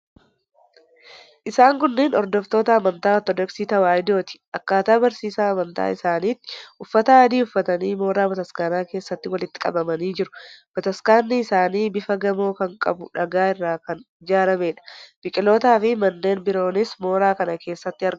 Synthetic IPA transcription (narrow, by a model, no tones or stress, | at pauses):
ʔɪsaːŋkʊnːeːnɔɾd̪ɔft̪o̞ːt̪ɐːmɐnt̪aːɔt̪ɔd̪ɔksiːt̪ɐwaːjɪd̪o̞ːt̪ɪ̥ʔɐkːaːt̪aːbɐɾsiːsaːɐmɐnt̪a̰ːɪsaːniːt̪ːɪ̥ʔʊfːɐt̪ɐaːd̪iːʊfːɐt̪ɐniːmo̞ːɾaːbɐt̪ɐskaːnaːke̞ːsːɐt̪ːɪwɐlɪt̪ːɪ̥kʼɐ̰bɐmɐniːd͡ʒɪɾʊb̥ɐt̪ɐskaːnːɪːsaːniːbɪfɐɡɐmo̞ːkɐŋkʼɐ̰bʊᶑɐɡaːɪrːaːkɐn | d͡ʒaːɾɐme̞ːᶑɐ̥b̥ɪkʼɪlo̞ːt̪aːfɪmɐnːe̞ːnbɪɾo̞ːnɪsmo̞ːɾaːkɐnɐke̞ːsːɐt̪ːɪɐɾɡ